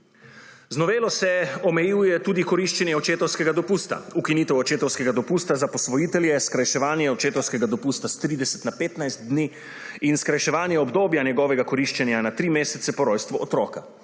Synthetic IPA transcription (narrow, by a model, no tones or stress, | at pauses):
znɔʋeːlɔsɛɔmɛjuːjɛt̪uːd̪ikɔɾiʃt͡ʃɛnjɛɔt͡ʃeːt̪ɔwskɛɡad̪ɔpuːst̪a̰ukiniːt̪ɛwɔt͡ʃeːt̪ɔwskɛɡad̪ɔpuːst̪azapɔsʋɔjiːt̪ɛljɛskɾajʃɛʋaːnjɛɔt͡ʃeːt̪ɔwskɛɡad̪ɔpuːst̪ast̪ɾiːd̪ɛsɛ̥t̪napeːt̪najst̪̚d̪ni | inskɾajʃɛʋaːnjɛɔbd̪oːbjanjɛɡɔːʋɛɡakɔɾiʃt͡ʃɛnjanat̪ɾiːmeːsɛt̪sɛpɔɾɔjst̪ʋɔɔt̪ɾɔːka